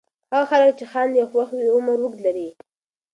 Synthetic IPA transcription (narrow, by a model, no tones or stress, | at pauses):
haɣaxalək̚t͡ʃɪxɑnd̪jaxwaxwiʊmaɾwʊklaɾi